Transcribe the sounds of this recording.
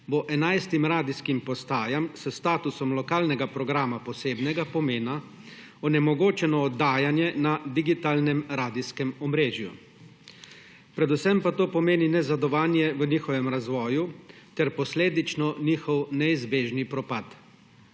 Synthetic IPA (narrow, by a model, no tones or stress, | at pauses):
boʔɛnajst̪imɾaːd̪iskimpɔst̪aːjamsəst̪aːt̪usɔmlɔkaːlnɛɡapɾɔɡɾaːmapɔseːbnɛɡapɔmeːna | ɔnɛmɔɡoːt͡ʃɛnɔːd̪ːaːjanjɛnad̪iɡit̪aːlnɛmɾaːd̪iskɛmɔmɾeːʒjṵ | pɾɛd̪usɛmpat̪oːpɔmeːninɛzad̪ɔʋaːnjɛʋəniːxɔʋɛmɾazʋɔːjut̪ɛɾpɔsleːd̪it͡ʃnɔniːxɔwnɛizbeːʒnipɾɔpat̪